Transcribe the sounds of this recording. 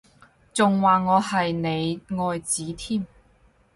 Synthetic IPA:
t͡sʊ˨ŋwaː˨ŋɔː˨˧hɐ˨jne˨˧jŋɔː˧jt͡siː˨˥t̪ʰiː˥˩m

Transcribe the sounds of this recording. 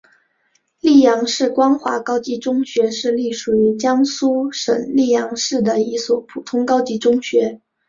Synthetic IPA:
li˥˩jɑ˧˥ŋʂɻ̩˥˩kwɑ˥ŋxwa̰˧˥kɑ˥ʊt͡ɕi˥ʈ͡ʂʊ˥ŋɕɥɛ˧˥ʂɻ̩˥˧li˥˩ʂu˨˩y˧˥t͡ɕjɑ˥ŋsu˥ʂə̰˨˩ŋli˥˩jɑ˧˥ŋʂɻ̩˥˩d̪ə˩i˧˥swɔ˨˩pʰu˨˩t̪ʰʊ˥ŋkɑ˥ʊt͡ɕi˧˥ʈ͡ʂʊ˥ŋɕɥɛ˧˥

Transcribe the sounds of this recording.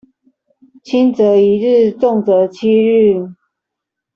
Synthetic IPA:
t͡ɕʰi˦˥nt͡sə˨˧˦i˨˦ɻ̩˥˧t͡sɔ˥˨ŋt͡sə˨˦t͡ɕʰi˦˥ɻ̩˥˨

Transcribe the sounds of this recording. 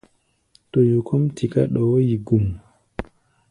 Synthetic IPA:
tɔ˨ju˨kʰɔ˦mtʰi˨ka˦ɗɔ˨wo˦ji˨ɡu˨m

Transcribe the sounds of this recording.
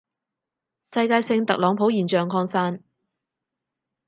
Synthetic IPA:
sɐ˧jkaː˧jsɪ˧ŋt̪ɐ˨k̚lɔː˨˧˥ŋpʰo˨˥wjiː˨˩nt͡ʃœː˨ŋkʰɔː˧ŋsaː˥n

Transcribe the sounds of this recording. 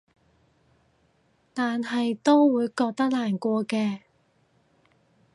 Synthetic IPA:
t̪aː˨nɦɐ˨jt̪o˥wwuː˨˧jkɔː˧k̚t̪ɐ˥k̚laː˨˩nkʷɔː˧kɛː˧

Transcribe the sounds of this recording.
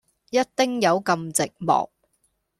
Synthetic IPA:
jɐ˥t̚t̪ɪ˥ŋjɐ˨˧wkɐ˧mt͡sɪ˨k̚mɔ̰ː˨˩k̚

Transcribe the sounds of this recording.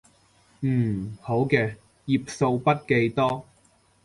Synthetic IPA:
m̩ː˨˩ho˨˥wkɛː˧ | jiː˨p̚so˧wpɐ˥t̚ke˧jt̪ɔː˥

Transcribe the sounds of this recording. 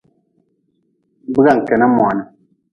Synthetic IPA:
bɨ˦ɡa˨ŋ̩˨kɛ˨na˦mɔ˨a˨na˨

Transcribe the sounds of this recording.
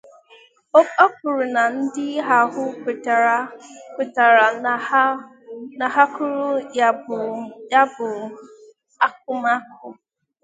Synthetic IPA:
o˦kɔ˦k̚ʊ˨ɾʊ˨na˨n̩˦dɪ˦ɦa˨ɦʊ˦kʷe˨ta˨ɾa˨kʷe˨ta˨ɾa˨˦ | na˨ɦa˦kʊ˦ɾʊ˦ | ja˦bʊ˨ | a˦k̚ʊ˦ma˦kʊ˦

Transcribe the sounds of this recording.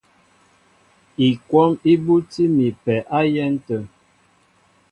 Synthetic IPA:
i˨kwɔ˦mi˦bu˦ti˦mi˨pɛ˨ʔa˦jɛ˦n˦tə˦˨

